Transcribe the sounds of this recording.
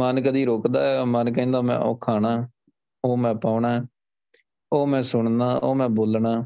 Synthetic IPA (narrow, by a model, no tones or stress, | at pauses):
mənkəd̪iːɾoːkd̪aːɛːmənkɛ̃ːnd̪aːmɛ̰̃ːʔo̰ːkʰːaːɽaː | oːmɛ̃ːpaːʊɳaːɛ | oːmɛ̃ːsʊɳd̪aːʔoːmɛ̃ːboːlɳaː